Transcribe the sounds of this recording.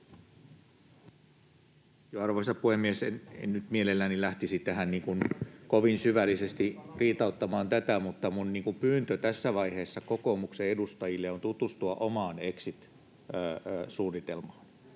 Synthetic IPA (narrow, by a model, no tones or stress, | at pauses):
joɑrʋoisɑpuhemːiesenḛnnyt̪mielelːænilæht̪isit̪æhænniːŋkunkoʋinsyʋælːisest̪iriːt̪ɑut̪ːɑmɑːnt̪æt̪æmut̪ːɑmunniːŋkumpyːnt̪øt̪æsːæʋɑiheːsːɑkokoːmukseedust̪ɑjilːeont̪ut̪ust̪uɑʔomɑːneksit̪ː | suːnːit̪elmɑːn